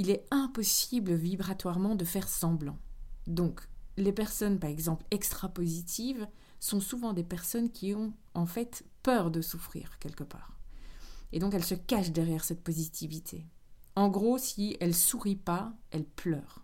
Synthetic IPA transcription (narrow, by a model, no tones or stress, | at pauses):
ilɛɛ̃pɔsibləvibʁat̪waʁmɑ̃d̪əfɛʁsɑ̃blɑ̰̃d̪ɔ̃klepɛʁsɔnpaʁɛɡzɑ̃plɛkst̪χapozit̪ʰiv | sɔ̃suvɑ̃d̪epɛʁsɔnkʲʰiɔ̃ | ɑ̃fɛt̪ | pœʁd̪əsufχḭːʁkʲɛlkəpa̰ːʁ | ed̪ɔ̃kɛlsəkaʃd̪ɛʁjɛʁsɛt̪̚pɔzit̪ʰivit̪ʰeɑ̃ɡʁosiɛlsuʁipaɛlplœːʁ